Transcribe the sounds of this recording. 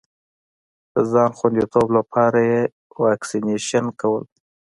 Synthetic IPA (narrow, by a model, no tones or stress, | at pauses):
d̪̥əzɑnxwand̪it̪oblapʰɑɾaje | wɑksineʃankawə̰l